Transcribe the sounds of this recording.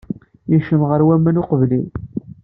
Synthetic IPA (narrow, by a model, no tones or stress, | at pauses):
jiʃəmʁəɾwæmːænʊqəvlin